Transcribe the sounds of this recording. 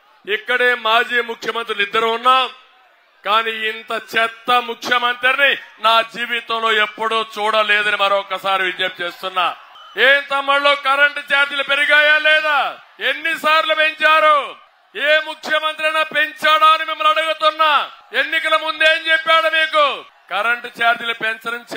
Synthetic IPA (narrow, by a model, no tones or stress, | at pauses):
ikːɐɽeːmaːd͡ʒiːmukʰjɐmɐnt̪ɾilid̪ːɐɾuunːaːm | kaːniːint̪ɐt͡ʃɛt̪ːɐmukʰjɐmɐnt̪ɾiɾninaːd͡ʒiːʋit̪ɐ̃mlo̞ːepːuɽuːt͡ʃuːɽɐlɛːd̪ɐnimɐɾoɔkːɐsaːɾiʋid̪jep̚t͡ʃeːst̪unːaː | eːnt̪ɐmːɐɭːoːkɐɾɐɳʈt͡ʃaːɾd̪ilɐpeɾiɡaːjalɛːd̪aː | e̞nːisaːɾlupe̞ɲt͡ʃaːɾu | eːmukʰjɐmɐnt̪ɾɐnɐːpe̞ɲt͡ʃaːɽaːɐnimimːɐlɐɽuɡut̪unːae̞nːikɐlɐmund̪e̞ːɲt͡ʃepːaːɽumiːku | kɐɾɐɳʈt͡ʃaːɾd̪ilɐpeɲt͡ʃɐɾɐmt͡ʃ